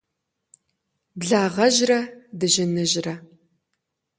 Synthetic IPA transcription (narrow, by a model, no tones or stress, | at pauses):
bɮaːʁɐʒrɐdɨʑɪnɨʑrɐ